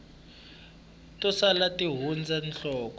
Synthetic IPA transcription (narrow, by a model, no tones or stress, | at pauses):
tʼɔsalatʼiɦund͡zʱanɬɔːkɔ